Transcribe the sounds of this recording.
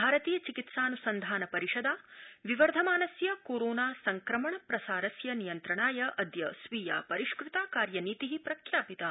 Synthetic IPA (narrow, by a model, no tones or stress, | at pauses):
bʱaːɾɐt̪iːjɐt͡ʃikit̪saːnusɐnd̪ʱaːnɐpɐɾiʂɐd̪aːʋiʋɐɾd̪ʱɐmaːnɐsjɐkoːɾoːnaːsɐŋkɾɐmɐɳɐpɾɐsaːɾɐsjɐnijɐnt̪ɾɐɳaːjɐʔɐd̪jɐsʋiːja̰ːpɐɾiʂkɾɪt̪aːkaːɾjɐniːt̪iɦipɾɐkʰjaːpit̪a